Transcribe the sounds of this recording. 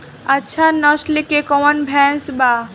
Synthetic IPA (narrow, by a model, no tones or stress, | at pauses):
ɐtːɕʰanɔslikekɔwənbʱɛnsba